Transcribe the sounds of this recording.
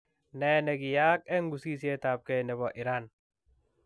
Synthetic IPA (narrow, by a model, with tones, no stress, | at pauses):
nɛ˨nɛ˨ɡi˨ja˦kɛ˦ŋɡu˨si˦s̬ie˦t̪a˨p̚kɛ˨nɛ˨bɔ˨ʔi˨ɾan